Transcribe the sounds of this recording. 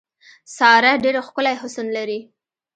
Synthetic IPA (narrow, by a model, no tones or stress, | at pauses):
sɑɾaɖeɾaxkəlajɦʊsunlaɾi